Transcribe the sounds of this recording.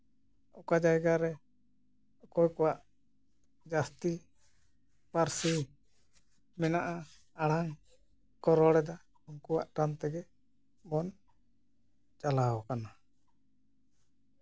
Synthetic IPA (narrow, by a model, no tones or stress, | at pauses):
ɔkad͡ʒajɡaɾɛ | ɔkɔjkɔwaʔ | d͡ʒast̪i | paɾsi | mɛnaʔa | aɽaŋ | kɔɾɔɽɛd̪a | uŋkuwaʔʈant̪ɛɡɛ | bɔn | t͡ʃalaɦɔkana